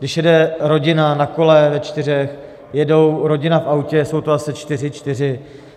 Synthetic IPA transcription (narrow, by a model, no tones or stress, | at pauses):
ɡ̥dɪʃjɛdɛɾo̞ɟɪnanako̞lɛvɛt͡ʃt̪ɪr̝ɛx | jɛdo̞wɾo̞ɟɪnafʔawcɛso̞wt̪oasɪt͡ʃt̪ɪr̝ɪt͡ʃt̪ɪr̝ɪ